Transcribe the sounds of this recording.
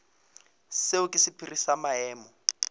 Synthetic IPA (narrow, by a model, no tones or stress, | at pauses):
seukʼisipʰirisamaɦɛːmɔ